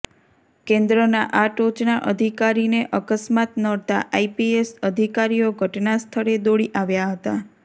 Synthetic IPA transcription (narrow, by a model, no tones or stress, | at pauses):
kẽnd̪ɾənaʔaʈot͡ʃnaʔəd̪ʱikaɾineʔəkəsmat̪nəɽt̪a̰ʔaipiesəd̪ʱikaɾijoɡʱəʈnast̪ʰəɾed̪oɽiʔaʋjaɦət̪a